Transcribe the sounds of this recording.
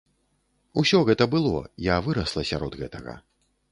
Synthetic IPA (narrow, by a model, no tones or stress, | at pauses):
usʲɔɣɛt̪ɐbɨlˠɔ̰javɨɾɐslˠɐsʲa̰ɾɔd̪ɣɛt̪ɐɣɐ̰